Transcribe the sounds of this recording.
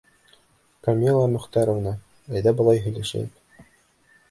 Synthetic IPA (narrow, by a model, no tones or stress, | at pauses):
kɐmʲilˠːɑmɵ̆χt̪ɑɾŏvnɑ | æjðæbɤ̆lˠɑjɦɵ̆jlæʃæ̰t̪